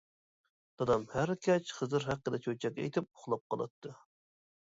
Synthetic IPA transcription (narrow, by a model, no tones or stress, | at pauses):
d̪̥ɑd̪ɑmhæɾkʲʰɛt͡ʃχəzɨɾɦæqːəd̪ɛt͡ʃʰøt͡ʃʰɛkʲːɛḛjt̪ʰɪp̚oχlˠɑp̚qɑlˠɑ̰t̪ʰːɨ